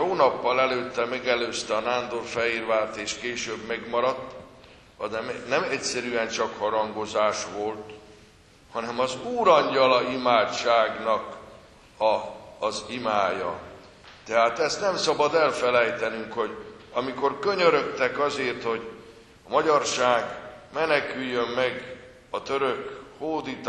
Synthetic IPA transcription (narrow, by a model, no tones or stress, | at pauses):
oːnɒpːɒlɛløːt̪ːɛmɛɡɛløːst̪ɛɒnaːnd̪orfɛirvaːlt̪eːʃkeːʃøːbmɛɡmɒɾɒt̪ː | ɒd̪ɛmnɛmɛcsɛɾyɛnt͡ʃɒkhɒɾɒŋɡo̞zaːʃʋo̞lt̪ | hɒnɛmɒzuːɾɒɲɟɒlɒimaːt͡ʃt͡ʃaːɡnɒk | ɒːzimaːjɒ̰ | t̪ɛɦaːt̪ɛst̪nɛmsɒbɒd̪ɛlfɛlɛjt̪ɛnyŋkho̞ɟɒmiko̞rkø̞ɲøɾø̞t̪ːɛkɒzeːrt̪ho̞ɟ | ɒmɒɟɒrʃaːɡmɛnɛkyjːømmːɛɡ | ɒt̪ø̞ɾøkhoːd̪it̪